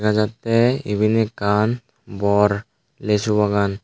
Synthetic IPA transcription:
kad͡ʒat̪eḭbʱinekan | bɔɾ | lesubaɡan

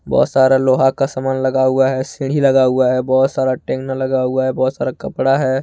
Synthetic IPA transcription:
bɔ̰ːt̪saːɾaloːɦakasamaːnlɐɡaɦuaɦɛsɪ̃ɽ̤ɦiləɡauaɦɛbɔːt̪saːɾaʈẽːknalɐɡaɦʊaɦɛbɔːt̪saːɾakəpɽaɦɛː

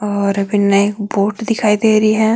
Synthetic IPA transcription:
ɔːɾɐbɪnaeːkboːʈd̪ɪkʰaːid̪eːɾiɦɛː

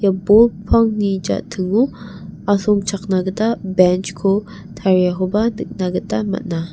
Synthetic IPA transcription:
jabolpʰaŋnid͡ʒa̰ʔtʰɯŋuaɬɔŋt͡ʃʰaknaɡətabɛnt͡ʃkʰo | tʰaɾjaɦobanɨk̚naɡətama̰ʔna

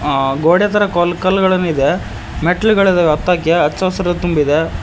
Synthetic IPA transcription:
ɡoːɽjɐt̪ɐɾɐkolkɐlɡɐɭɐnːid̪e | meʈɐlɡɐɭid̪eʋɐt̪ːaːkjɐɐt͡ʃːɐʋsɐɾɐt̪umbid̪e

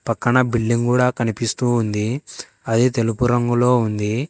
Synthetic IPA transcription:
pɐkːɐɳɐbiɭːiŋkuːɽaːkɐnipist̪uːnd̪i | ɐd̪it̪e̞lupuɾɐŋɡulo̞ːund̪i

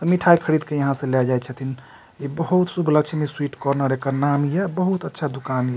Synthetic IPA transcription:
t̪ɔmiʈʰajkʰəɽid̪kejɐɦãsẽlɛd͡ʒajt̪t͡ʃʰət̪ʰin | ibəɦut̪subʱləkt͡ʃʰmeswiʈkɔɾnaɾekəɾnamjɛbəɦut̪ətːʃʰad̪ukanjɛ

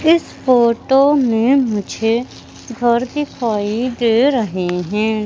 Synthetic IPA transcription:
ɪspʰoːʈoːmẽːmʊd͡ʒʱeː | ɡʱəɾd̪ɪkʰaːid̪eːɾəɦeɦɛ̃ː

